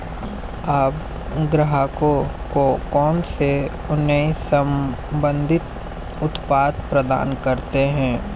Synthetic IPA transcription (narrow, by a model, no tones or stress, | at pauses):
aːp | ɡɾəɦako | kokɔːnse | ʊnəisəm | bə̃nd̪ʱɪt̪ | ʊt̪paːd̪̚pɾəd̪a̰ːnkɐɾt̪eɦɛ̃ː